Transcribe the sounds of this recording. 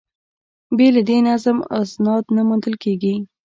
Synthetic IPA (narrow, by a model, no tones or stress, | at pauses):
bjelad̪enazma̰snɑd̪namund̪əlkeɡi